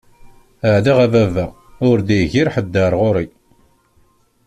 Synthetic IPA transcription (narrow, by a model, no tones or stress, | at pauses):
əʕðiʁævævæ | ʊɾd̪iʝiɾħəd̪ːəɾˤʁʊɾi